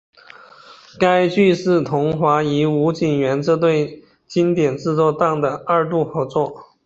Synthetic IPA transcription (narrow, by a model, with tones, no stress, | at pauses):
ka˥ɪt͡ɕy˥˧ʂɻ̩˥˩t̪ʰʊ˧˥ŋxwa˧˥i˧˥u˧˥t͡ɕi˨˩ŋɥɛ˧˥nʈ͡ʂɤ˥˧t̪̬we˥˩ɪ | t͡ɕi˥nt̪jɛ˨˩nʈ͡ʂɻ̩˥˧t͡swɔ˥˧t̪ɑ˥˩ŋd̪ə˩ə˞˥˧t̪u˥˩xɤ˧˥t͡swɔ˥˩